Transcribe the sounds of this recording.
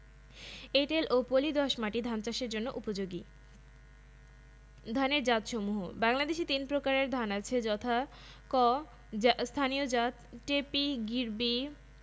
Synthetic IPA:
eʈelʔopolid̪ɔʃmaʈid̪ʱant͡ɕaʃeɾd͡ʑonːoʔupod͡ʑoɡi | d̪ʱaneɾd͡ʑat̪ʃomuɦo̰baŋlad̪eʃit̪inpɾokaɾeɾd̪ʱanat͡ɕʰed͡ʑɔt̪ʰa | kɔ | st̪ʰaniod͡ʑat̪ʈepiɡiɾbi

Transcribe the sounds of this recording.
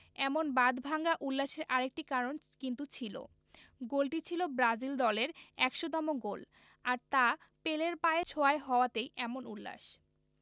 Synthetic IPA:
ɛmonbad̪bʱaŋɡaʔulːaʃeɾʔaɾek̚ʈikaɾon | kint̪ut͡ɕʰilo̰ | ɡolʈit͡ɕʰilobɾad͡ʑild̪ɔleɾɛkʃod̪ɔmoɡol | aɾt̪a | peleɾpaet͡ɕʰoaeɦɔoat̪ejʔɛmonulːa̰ʃ

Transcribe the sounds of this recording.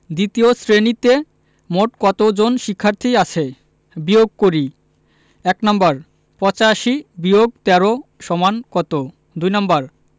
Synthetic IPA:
d̪it̪iosɾenit̪e | moʈkɔt̪od͡ʑonʃikʰːaɾt̪ʰiat͡ɕʰe | bioɡ̚koɾi | ɛknambaɾ | pɔt͡ɕaʃibioɡ̚t̪ɛɾoʃɔmankɔt̪o | d̪ujnambaɾ

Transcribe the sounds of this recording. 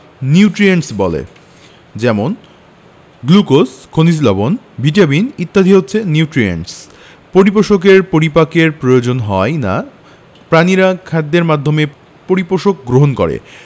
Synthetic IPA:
niuʈɾiensbɔlḛ | d͡ʑɛmon | ɡlukoskʰonislɔbon | biʈabinit̪ːad̪ʱiɦotːɕʰeniuʈɾiḛɳʈs | poɾipoʃok̬eɾpoɾipakeɾpɾojod͡ʑonɦɔena̰ | pɾaniɾakʰad̪ːeɾmad̪ʱome | poɾipoʃok̚ɡɾoɦonkɔ̰ɾḛ

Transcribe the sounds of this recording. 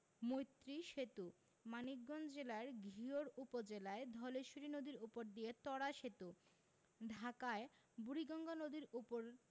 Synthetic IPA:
mojt̪ːɾiʃet̪u | manik̚ɡɔnd͡ʑelaeɾɡʱioɾupod͡ʑelaed̪ʱɔleʃuɾinod̪iɾupoɾd̪ijet̪ɔɽaʃet̪u | ɖʱakae | buɾiɡɔŋɡonod̪iɾupoɾ

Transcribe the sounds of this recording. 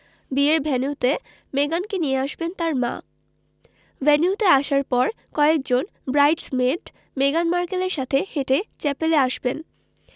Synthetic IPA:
bieɾbʱɛnuwt̪e | meɡankenijeaʃbent̪aɾma̰ | bɛnuwt̪eaʃaɾpɔɾ | kɔeek̚d͡ʑon | bɾajʈsmeʈ | meɡanmaɾkeleɾʃat̪ʰeheʈet͡ɕɛpeleaʃben

